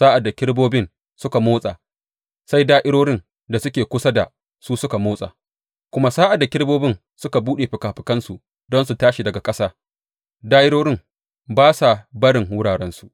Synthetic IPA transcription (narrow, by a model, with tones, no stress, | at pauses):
saː˦ʔa˨dːa˨kʲɪ˦ɽboː˦bɪ˦n | sʊ˦ka˨moː˦sʼa̰˨ | sa˦jdaː˦ʔɪ˦ɽoː˦ɽɪ˦n | da˨sʊ˦kʲeː˨kʷʊ˦sa˦da˨ | suː˦sʊ˦ka˨moː˦sʼa̰ː˨ | kʷʊ˦ma˦saː˦ʔa˨dːa˨kʲɪ˦ɽboː˦bɪ˦n | sʊ˦ka˨buː˦ɗe˨ɸɪ˨kaː˨ɸɪ˨kɐ˦nsu˨ʔ | dɔ˦nsu˨taː˦ʃi˨dɐ˨ɡa˨kʼɐ˦saː˦ | daː˦ʔɪ˦ɽoː˦ɽɪ˦ŋ | baː˦sa˨bɐ˦ɽɪ˨ŋwʊ˦ɽaː˨ɽɛ˦nsu˨ʔ